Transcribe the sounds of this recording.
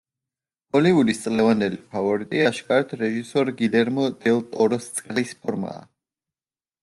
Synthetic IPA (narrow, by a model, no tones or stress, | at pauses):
ɔlivulist̪sʼlɛvand̪ɛlipʰavɔɾit̪ʼiaʃkʼaɾɛt̪ʰɾɛʒisɔɾɡid̪ɛɾmɔd̪̥ɛlˠt̪ʼɔɾɔst̪sʼqʼlispʰɔɾma̰ː